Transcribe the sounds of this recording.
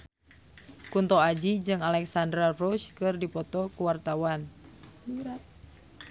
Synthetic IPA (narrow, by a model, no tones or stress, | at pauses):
kunt̪ɔad͡ʒid͡ʒɨŋalɛksandɾarɔʃkɨrdipɔt̪ɔkuwart̪awan